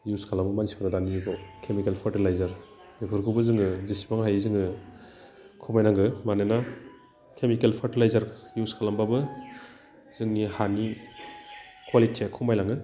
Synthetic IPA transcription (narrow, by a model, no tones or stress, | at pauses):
juskalambɯmanisi̥pʰaɾadanijiɡɔkʰemikelpʰaɾtilajzaɾ | bikʰɯɾkʰubɯzɯŋɯzisi̥baŋɦajzɯŋɯ | kʰumajnaŋɡɯmanajna | kʰemikelpʰaɾtilajzaɾjuskʰalambabɯ | zɯŋnihani | kʰwalitʰiakʰumajnaŋɡɯ